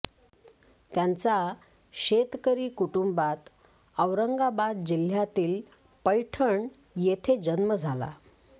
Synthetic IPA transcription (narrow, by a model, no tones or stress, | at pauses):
t̪jant͡sa | ɕet̪kəɾiːkuʈumbat̪ | əwɾəŋɡabad̪d͡ʑil̤jat̪iːl | pəjʈʰəɳ | jet̪ʰed͡ʑənməd͡zʱala̰